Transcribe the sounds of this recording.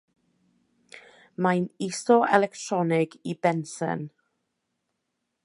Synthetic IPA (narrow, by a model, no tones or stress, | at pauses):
majnisɔɛ̰lɛktʰrɔnɪɡibɛnsə̰n